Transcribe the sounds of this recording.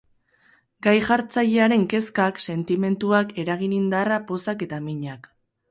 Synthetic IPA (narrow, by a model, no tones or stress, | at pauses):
ɡajʝaɾt͡saʎe̞aɾe̞ŋke̞skakse̞nt̪ime̞nt̪uake̞ɾaɣinind̪arapo̞sake̞t̪amiɲak